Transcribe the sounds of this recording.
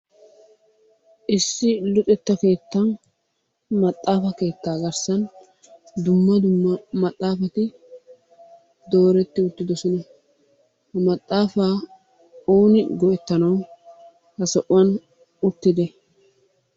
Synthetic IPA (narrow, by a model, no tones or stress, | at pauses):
ʔɪsːɪlʊt̪ʼɛt̪ːɐke̞ːt̪ːɐn | mɐt̪ʼːaːfɐke̞ːt̪ːaːɡɐɾsɐn | d̪ʊmːɐd̪ʊmːɐmɐt̪ʼːaːfɐt̪ɪ | d̪o̞ːɾɛt̪ːɪʊt̪ːɪd̪ɔsɔnɐ | hɐmɐt̪ʼːaːfaː | oːnɪɡɔʔɛt̪ːɐnɐw | hɐsɔʔʊwɐn | ʊt̪ːɪd̪ɛ